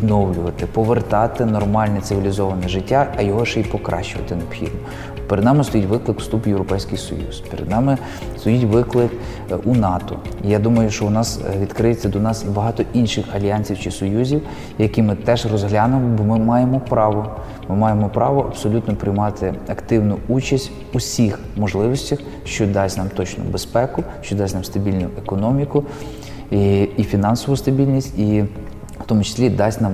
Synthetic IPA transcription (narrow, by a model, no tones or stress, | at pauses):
d̪nɔwlʲʊʋɐt̪ɪpɔʋert̪ɑt̪ɪnɔrmɑlʲnɛt̪sɪʋʲilʲizɔʋɐnɛʒɪtʲːaːjɔɦɔʃipɔkɾʔɑ̰ʃt͡ʃːʊʋɐ̰t̪ɪneɔbxʲḭd̪̚nɔ | peɾed̪nɑmɪst̪ɔjitʲʋɪklˠɪkst̪upjewɾɔpɛjsʲkɪjsɔ̰jṵz̥peɾed̪nɑmɪ | st̪ɔjitʲʋɪklˠɪk | ʔunɑt̪ɔ̰ijad̪umɐjʊʃt͡ʃɔwnɑsʋʲid̪kɾɪjet͡sʲːɐd̪ɔnɑsibɐɦɑt̪ɔʔinʃɪxɐlʲijanʲsʲiwt͡ʃɪsɔjuzʲiw | jɐkimɪt̪ɛʒrɔzɦlʲɑnʊmɔbɔmɪmɑjemɔpɾɑʋɔ | mɪmɑjemɔpɾɑʋɔʔɐbsɔlʲut̪nɔpɾɪjmɑt̪ʰɪɐkt̪ɪwnʊut͡ʃɐsʲtʲ | ʊsʲix | mɔʒlˠɪʋɔsʲtʲɐx | ʃt͡ʃɔd̪ɑsʲnɑmt̪ɔt͡ʃnʊ̰bespɛkʊʃt͡ʃɔd̪ɑsʲnɑmst̪ɐbʲilʲnʊekɔnɔmʲikʊ | iifʲinɑnsɔʋʊst̪ɐbʲilʲnʲisʲtʲi | wt̪ɔmʊt͡ʃe̥sʲlʲid̪ɑsʲnɑm